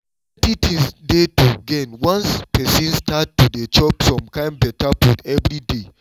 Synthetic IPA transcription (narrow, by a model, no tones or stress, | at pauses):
ɛtitĩsdetuɡɛnwãnspɛsĩnstatːudet͡ʃɔpfɹɔ̃mkãj̃mbɛtabukɛvɾide